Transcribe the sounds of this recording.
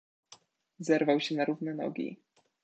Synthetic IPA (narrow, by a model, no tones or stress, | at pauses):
zɛɾvawɕɛnaɾuvnɛnɔ̰ɡʲḭ